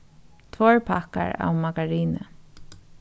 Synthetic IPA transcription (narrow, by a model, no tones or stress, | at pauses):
t̪ʰvɔːɹpʰaka̰ɹa̰wmaɡaɹiːnə̰